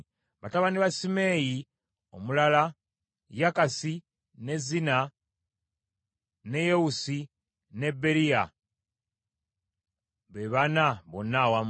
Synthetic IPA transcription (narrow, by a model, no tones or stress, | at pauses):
βataβaniβasime̞ːji | o̞̰mulala | jakasi | ne̞zina | ne̞jewusi | ne̞bːe̞ɾija | βe̞βanaβo̞nːawam